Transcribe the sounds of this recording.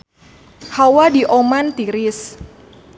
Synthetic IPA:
hawadiʔomant̪iɾɪs

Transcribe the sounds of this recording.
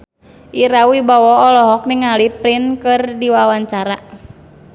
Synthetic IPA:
ʔiɾawibɔwɔɔlɔɦɔk̚niŋalipɾinkɨrdiwawaɲt͡ʃaɾa

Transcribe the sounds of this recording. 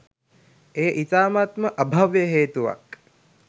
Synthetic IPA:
eːʔit̪aːmat̪məʔəbʱaʋjəɦeːt̪uʋa̰k

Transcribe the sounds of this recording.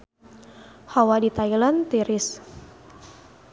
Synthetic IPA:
hawadit̪ailant̪iɾɪs

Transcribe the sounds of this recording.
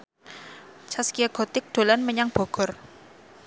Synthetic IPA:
t͡ʃaskiaɡ̥ot̪ɪk̚d̪̥o̤lanməɲaŋb̥o̤ɡ̥ɔ̤r

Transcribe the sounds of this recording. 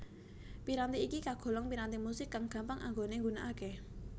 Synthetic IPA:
piɾant̪iikikaɡ̥o̤lɔŋpiɾant̪imusɪkːaŋɡ̥a̤mpaŋʔa̰ŋɡoneŋɡunaʔake

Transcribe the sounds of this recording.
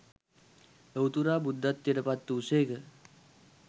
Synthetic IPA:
əwt̪uɾaːbud̪ːat̪ːiɾəpat̪ːuːseːkə

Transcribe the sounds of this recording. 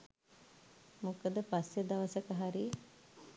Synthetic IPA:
mokəd̪əpasjed̪ɐʋəsəkəɦaɾi

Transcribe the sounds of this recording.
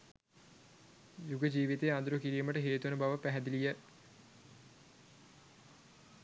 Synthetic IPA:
juɡəd͡ʒiːʋit̪eand̪uɾukiɾiːməʈəɦeːt̪unəbaʋəpæɦæd̪ilijə

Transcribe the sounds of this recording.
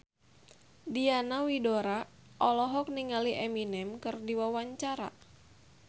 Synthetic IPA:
dianawidoɾa | ʔɔlɔɦɔk̚niŋaliʔɛminɛmkɨrdiwawaɲt͡ʃaɾa̰

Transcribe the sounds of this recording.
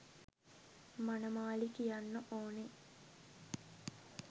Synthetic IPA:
manəmaːlikijanːəʔoːne

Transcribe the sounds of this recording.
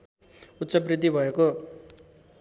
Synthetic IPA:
ut̪ːsʌprid̪ʱːibʱʌeko

